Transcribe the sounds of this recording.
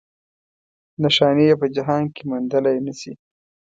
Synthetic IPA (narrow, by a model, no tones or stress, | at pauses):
naʃɑnijepəd͡ʒaɦɑnkemund̪əlajnəsḭ